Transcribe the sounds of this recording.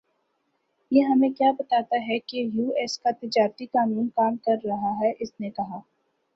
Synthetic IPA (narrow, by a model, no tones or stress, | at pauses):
jeɦɐmẽkjaːbɐt̪aːt̪aɦɛkejuːɛːskat̪ɪd͡ʒaːɾt̪ikaːnuːnkaːmkɐɾːɐɦaɦɛʔɪsnekɐɦaː